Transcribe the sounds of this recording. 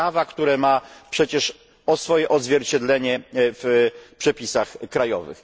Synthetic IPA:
avakt̪uɾɛmapʂɛt͡ɕɛʂ | ɔsfɔjɛʔɔd̪zvʲjɛɾt͡ɕɛd̪lɛɲɛfpʂɛpʲisaxkɾajɔ̰vɘ̰x

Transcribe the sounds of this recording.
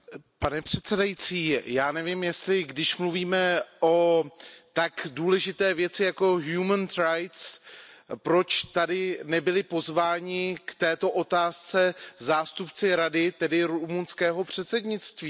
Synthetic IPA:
panɛpr̝̥ɛt̪t͡sɛdajit͡siːjaːnɛvɪmjɛst̪lɪɡdɪʃmluviːmɛʔot̪akduːlɛʒɪt̪ɛːvjɛt͡sɪjako̞ɦjuməntɾajt̪s | pɾo̞t͡ʃt̪adɪnɛbɪlɪpo̞zvaːɲɪkt̪ɛːt̪o̞ʔo̞t̪aːst͡sɛzaːst̪upt͡sɪɾadɪt̪ɛdɪɾumunskɛːɦo̞pr̝̥ɛt̪sɛdɲɪt͡st̪viː

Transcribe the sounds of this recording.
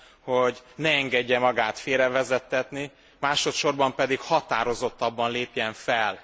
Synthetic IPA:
hoɟnɛːŋɡɛɟːɛmɒɡaːt̪feːɾɛvɛzɛt̪ːɛt̪ni | maːʃo̞t̪ʃo̞rbɒmpɛd̪ikhɒt̪aːɾo̞zo̞t̪ːɒbːɒnleːpjɛɱfɛl

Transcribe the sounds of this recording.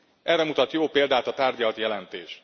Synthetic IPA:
ʔɛrːɛmut̪ɒt̪joːpeːld̪aːt̪ɒt̪aːrɟɒlt̪jɛlɛnt̪eːʃ

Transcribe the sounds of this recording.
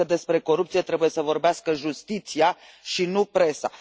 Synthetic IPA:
əd̪e̞spɾe̞ko̞ɾup̚t̪sije̞t̪ɾe̞buje̞səvo̞rbeaskəʒust̪it̪sia | ʃinupɾe̞sa̰

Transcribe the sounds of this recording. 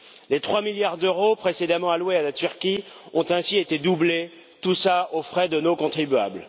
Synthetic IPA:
let̪χwamiljaʁd̪øʁopχesed̪amɑ̃alwealat̪yʁkʲiɔ̃t̪ɛ̃siet̪ed̪uble | t̪usaofχɛd̪ənokɔ̃t̪χibya̰bl

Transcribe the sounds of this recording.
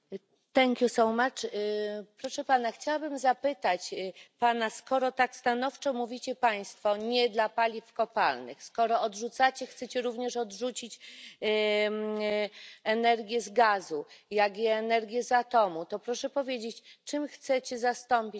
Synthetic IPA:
t̪ɛŋkʲjusɔwmat͡ʂ | pɾɔʂɛpanaxt͡ɕawabɘmzapɘt̪at͡ɕpanaskɔɾɔt̪akst̪anɔft͡ʂɔmuvʲit͡ɕɛpaj̃st̪fɔɲɛd̪lapalʲifkɔpalnɘ̰xskɔɾɔɔdʐut̪sat͡ɕɛxt̪sɛt͡ɕɛɾuvɲɛʂɔdʐut͡ɕit͡ɕ | ɛnɛɾɡʲjɛzɡazujaɡjɛːnɛɾɡʲjɛzat̪ɔmut̪ɔpɾɔʂɛpɔvʲjed͡ʑet͡ɕt͡ʂɘmxt̪sɛt͡ɕɛzast̪ɔmpʲi

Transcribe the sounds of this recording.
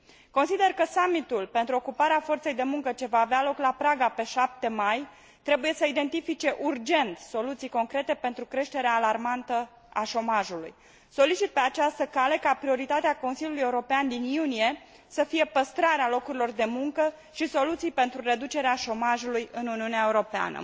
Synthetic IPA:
ko̞nsid̪e̞rkəsamit̪ulpe̞nt̪ɾuo̞kupaɾeafo̞rt̪se̞jd̪e̞muŋkət͡ʃe̞vaːvealo̞klapɾaɡape̞ʃap̚t̪e̞maj | t̪ɾe̞buje̞səid̪e̞nt̪ifit͡ʃe̞ʔurd͡ʒe̞nt̪so̞lut̪sijko̞ŋkɾe̞t̪e̞pe̞nt̪ɾukɾe̞ʃt̪e̞ɾeaːlarmant̪ə | aʃo̞maʒulṵj | so̞lit͡ʃit̪̚pe̞at͡ʃast̪əkale̞kapɾio̞ɾit̪at̪eako̞nsiljuluje̞uɾo̞peand̪injunije̞ | səfije̞pəst̪ɾaɾealo̞kuɾilo̞rd̪e̞muŋkə | ʃiso̞lut̪sijpe̞nt̪ɾure̞d̪ut͡ʃe̞ɾeaʃo̞maʒulujɨnuuniuneaeuɾo̞pea̰nə̰

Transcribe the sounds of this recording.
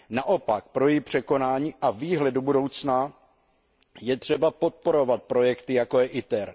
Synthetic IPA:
naʔo̞pak̚pɾo̞jipr̝̥ɛko̞naːɲiːʔaviːɦlɛdobudo̞wt͡sna | jɛt̪r̝̥ɛbapo̞t̪̚po̞ɾo̞vat̪̚pɾo̞jɛkt̪ɪjako̞jɛʔɪt̪ɛɾ

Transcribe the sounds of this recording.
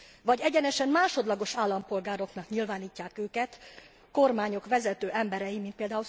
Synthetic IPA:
vɒɟɛɟɛnɛʃɛmmaːʃo̞d̪lɒɡo̞ʃaːlːɒmpo̞lɡaːɾo̞knɒkɲilvaːniːcːaːkøːkɛt̪ | ko̞rmaːɲo̞kʋɛzɛt̪øːʔɛmbɛɾɛjimint̪peːld̪aːul

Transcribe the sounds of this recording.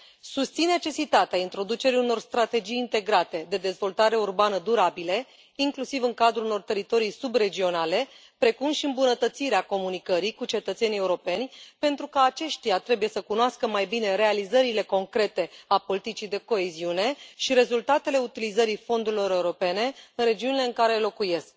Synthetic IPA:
sust̪sinːe̞t͡ʃe̞sit̪at̪eaint̪ɾo̞d̪ut͡ʃe̞ɾiuno̞rst̪ɾat̪e̞d͡ʒijːnt̪e̞ɡɾat̪e̞d̪e̞d̪e̞zvo̞lt̪aɾe̞urbanəd̪uɾabile̞ | iŋklusivɨŋkad̪ɾuuno̞rt̪e̞ɾit̪o̞ɾijsubre̞d͡ʒio̞nale̞ | pɾe̞kumʃiɨmbunət̪ət̪siɾeako̞munikəɾikut͡ʃe̞t̪ət̪se̞nijeuɾo̞pe̞nʲpe̞nt̪ɾukəat͡ʃe̞ʃt̪ijat̪ɾe̞buje̞səkunoaskəmajbine̞ɾe̞alizəɾile̞ko̞ŋkɾe̞t̪e̞apo̞lit̪it͡ʃid̪e̞ko̞eziune̞ʃiɾe̞zult̪at̪e̞le̞ut̪ilizəɾifo̞nd̪uɾilo̞ɾe̞uɾo̞pe̞ne̞ɨnɾe̞d͡ʒiunile̞ɨŋkaɾelo̞kuje̞sk̚

